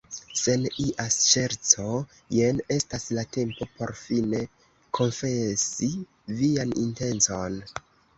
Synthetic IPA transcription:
se̞niʔast͡ʃe̞ɾt͡so̞ | jene̞staslate̞mpo̞po̞ɾfine̞ | kʰo̞nfe̞si | vianḭnte̞nt͡so̞n

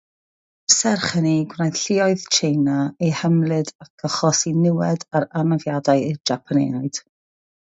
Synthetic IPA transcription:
sɛrχəniɡwrajθɬɪɔɨðt͡ʃʰejnaehəmlɨdak̚ɡ̥əχɔsinɪwɛdaɾanavjadajɪd͡ʒapʰanḛːaɨd̥

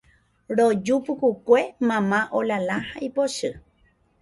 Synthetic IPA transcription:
ɾod͡ʒupukukʷe̞mãmãʔolalãhaipoʃɨ

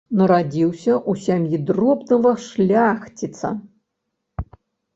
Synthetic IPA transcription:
nɐɾad͡zʲiwsʲɐʔusʲamjid̪rɔbnɐvɐʂlʲaxt͡sʲit̪sɐ̰

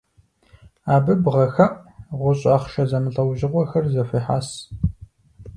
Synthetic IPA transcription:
aːbɨbʁɐxɐʔʁʷʊɕʼaːχʃɐzɐmɨɬʼɐwʒɪʁʷɔxɐrzɐfiːħa̰ːs

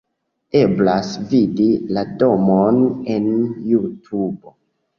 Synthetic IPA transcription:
e̞blasvidilado̞mone̞njutʰubo̞

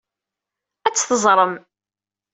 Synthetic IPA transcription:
æt͡sːθəzˤɾˤəm

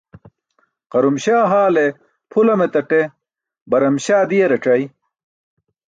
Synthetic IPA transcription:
qɐɾumɕaːɦaːle | pʰulɐmet̪ɐʈe | bɐɾɐmɕaːd̪ijeɾɐʈ͡ʂɐj

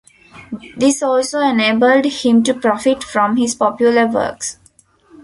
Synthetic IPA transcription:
d̪ɪsɔːlsoːeneːbəlɖhɪ̃mʈupɾɔfɪʈfɾɔ̃mhɪzpɔpjuləɾʋə̰ːks

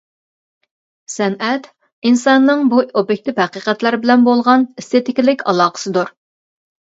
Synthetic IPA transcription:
sɛnʔɛt̪ | insɑnːɨŋbuobjek̚ʲt̪ʰɪphæqiqɛt̪læɾbɪlɛnbolˠʁɑnist̪et̪ɪkʲilɪkʲɑ̰lˠɑːqʰə̥sɨd̪uɾ

